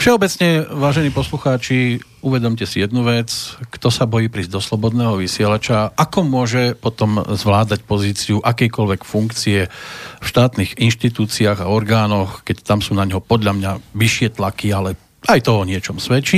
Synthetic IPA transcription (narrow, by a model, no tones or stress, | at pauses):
fʃɛɔbɛt͡sɲɛʋaːʒɛniːpɔsluxaːt͡ʃi | uʋɛd̪ɔmcɛsijɛd̪nuʋɛt͡skt̪ɔsabɔjiːpɾizd̪ɔslɔbɔd̪nɛːɦɔʋisɪɛlat͡ʃaakɔmʊɔʒɛpɔt̪ɔmzʋlaːd̪acpɔziːt͡siuʔakɛjkɔlʋɛkfuŋkt͡siɛfʃt̪aːt̪niɣinʃt̪it̪uːt͡siaːɣaɔɾɡaːnɔxkɛct̪amsuːnaɲɦɔpɔd̪ʎamɲaʋiʃɪɛt̪lakialɛ | ajt̪ɔɔɲɪɛt͡ʃɔmsʋɛt͡ʃi